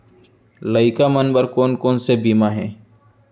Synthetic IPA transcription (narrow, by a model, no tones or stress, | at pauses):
ləɪkamənbəɾkoːnkoːnsebiːmaɦɛ̃ː